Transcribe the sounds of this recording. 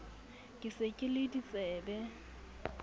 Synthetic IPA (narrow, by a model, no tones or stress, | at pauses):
kʼɪsekʼɪlɪdit͡sʼɛːbɛ